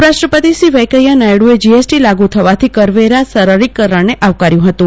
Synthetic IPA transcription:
ɾaʃʈɾəpət̪isiʋəjkəjanajɽued͡ʒiesʈilaɡut̪ʰəʋat̪ʰikəɾʋeɾasəɾəɾikːəɾəɭneʔaʋkaɾjũɦət̪ũ

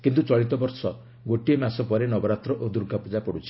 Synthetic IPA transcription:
kint̪ut͡ʃɔɭit̪ɔbɔɾsɔ | ɡoʈiemasɔpɔɾenɔbɔɾat̪ɾɔʔod̪uɾɡʱapud͡ʒapɔɽut͡ʃʰi̥

